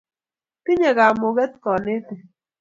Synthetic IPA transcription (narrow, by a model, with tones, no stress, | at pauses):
ki˦ɲa˨ɡa˨mo˨ɡɛ˦t̪̚kɔ˨nɪ˦t̪ɪ˨